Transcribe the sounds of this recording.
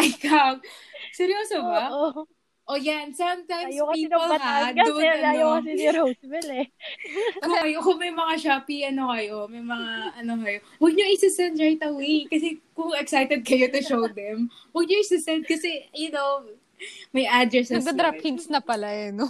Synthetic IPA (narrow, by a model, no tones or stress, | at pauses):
ʔɐjkawsɛɾjoːsoba | ʔojansɐmt̪ajmspiːolad̪ʊʔɐjoɐɾobɛlɛ | kʊkɐjokʊŋmɐjmɐŋaʃapiʔɐno̞kɐjo̞mɐjmɐŋaʔɐnokɐjo̞ | wɐɡ̚ɲoʔɪsɪsɛnd̪ɹajt̪ɐwejkɐsɛkʊŋɛksajt̪ɛd̪̚kɐjot̪ʊʃowd̪ɛmwɐɡ̚ɲoɪsɪsɛnd̪̚kɐsɛjʊnow | mɐjʔad̪ɾɛsɡɐd̪ɾaphinsnɐpɐlajɐno